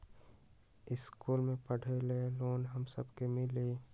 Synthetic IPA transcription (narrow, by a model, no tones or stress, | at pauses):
ɪskuːlmẽpəɽ̤eleloːnɦəmsə̰bkemɪleː